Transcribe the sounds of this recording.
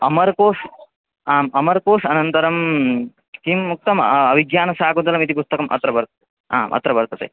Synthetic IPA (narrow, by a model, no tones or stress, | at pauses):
ɐmɐɾkoːʂ | aːmɐmɐɾkoːʂɐnɐnt̪ɐɾɐm | kimːuk̚t̪ɐmɐʋiɡjaːnɐsaːkunt̪ɐlɐmit̪ipust̪ɐkɐmʔɐ̰t̪ɾɐʋɐɾt̪ | a̰ːmʔɐ̰t̪ɾɐʋɐɾt̪ɐt̪ḛː